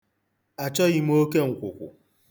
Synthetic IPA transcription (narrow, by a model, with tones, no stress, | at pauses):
a˨t͡ʃɔ˦ɣɪ˦m̩˦o˦ke˦ŋ̩˨kʷʊ˨kʷʊ̰˨